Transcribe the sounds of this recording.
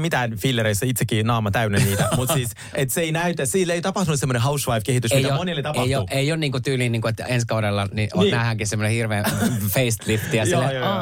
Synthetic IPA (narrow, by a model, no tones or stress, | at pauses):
mit̪æːnfilːeɾeisːɑit̪sekːinɑːmɑt̪æynenniːt̪æmut̪ssiːs | et̪seeinæyt̪æsiːlːeit̪ɑpɑht̪unut̪semːoneɦɑusʋɑifkehit̪ysmij̪æomonilːet̪ɑɑeiouʔeionniːŋkut̪yːlinniːŋkuet̪enskɑuɾelːɑnionæːhæŋkisemːonehirʋeːfeist̪lipt̪ːiɑsil